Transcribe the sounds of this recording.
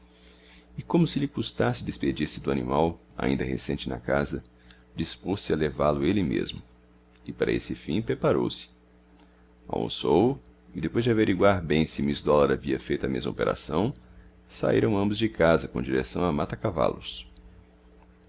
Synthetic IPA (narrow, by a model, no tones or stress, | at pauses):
ɪkõmʊsɪlɪkust̪asɪd̪esped͡ʒiɾsɪd̪ʊanḭ̃maw | a̰ĩnd̪ɐɦḛsẽnt͡ʃɪnɐ̰kazɐ | d͡ʒisposɪɐlevalʊelɪmḛzmʊ | ɪpaɾɐ̰esɪfĩpɾepaɾo̰wsɪ̥ | a̰wõ̰sow | ɪd̪epojzd͡ʒɪaveɾiɡwaɾbẽj̃sɪmizd̪ɔlɐɾaviɐfejt̪ɐmezmɐo̰peɾa̰sɐ̃w̃ | sa̰iɾɐ̃w̃ɐ̃mbʊzd͡ʒɪkazɐkõd͡ʒiɾesɐ̃w̃amat̪ɐkava̰lʊs